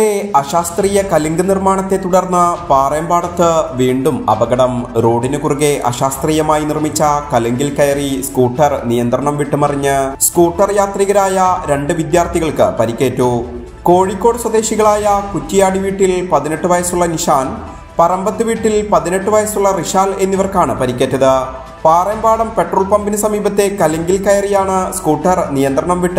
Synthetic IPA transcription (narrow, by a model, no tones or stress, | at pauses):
eɐɕaːst̪riːjɐkɐliŋɡɨnirmaːɳɐt̪ːe̞t̪uɽɐrnːɐpaːrɐjɐmbaːɽɐt̪ːɨʋiːɳɖumɐ̰bɐɣɐɽɐmɾo̞ːɽinɨkuruɣe̞ʔɐ̰ɕaːst̪riːjɐmaːjinirmit͡ɕːɐkɐliŋɡilkɐjɐriskuːʈːɐrnijɐnt̪rɐɳɐmʋiʈːɨmɐrɐɲːɨskuːʈːɐrjaːt̪riɣɐɾaːjɐɾe̞ɳɖɨʋid̪jaːrt̪iɣɐɭkɨ̰pɐɾikʲːe̞ːtːuː | koːɻikʲːo̞ːɽswɐd̪e̞ːɕiɣɐɭaːjɐkutːijaːɽiʋiːʈːilpɐðine̞ʈːɨʋɐjɐsuɭːɐniʂaːn | pɐrɐmbɐt̪ːɨʋiːʈːilpɐðine̞ʈːɨʋɐjɐsuɭːɐriʂaːle̞nːiʋɐrkaːɳɨpɐɾikʲːeːtːɐðɨ | paːrɐmbaːɽɐmpe̞ʈroːɭpɐmbinɐsɐmiːbɐt̪ːe̞kɐlɐŋɡilkɐjɐrijaːɳɨskuːʈːɐrnijɐnd̪ɾrɐɳɐmʋiʈːɨ